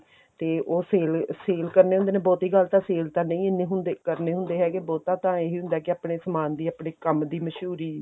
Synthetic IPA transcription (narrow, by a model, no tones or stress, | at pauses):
t̪eːoːseːlseːlkəɾneːɦʊnd̪eːnẽːbɔːt̪ɦiːɡəlt̪ãːseːlt̪ãːnə̃ĩːɪnẽːɦʊnd̪eːkəɾneːɦʊ̃nd̪eːɦɛːkebɔːt̪ːãːt̪ãːeɦiːɦʊ̃nd̪aːkɪaːpɽeːsəmaːnd̪iːaːpɳeːkəmd̪iːməʃɦuːɾiː